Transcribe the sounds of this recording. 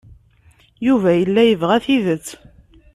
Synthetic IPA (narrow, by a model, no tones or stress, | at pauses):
juvæjəlːæjəvʁæθiðət͡sː